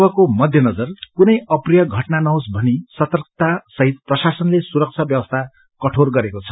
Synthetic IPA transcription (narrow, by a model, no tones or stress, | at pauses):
bʌkomʌd̪ʱjʌnʌd͡zʌrkunʌjʌprijʌɡʱʌʈnanʌɦosbʱʌnisʌt̪ʌrk̚t̪asʌɦit̪̚prʌsasʌnlesuɾʌk̚t͡sʰʌbjʌwʌst̪ʰa | kʌʈʰorɡʌɾekot͡sʰʌ̥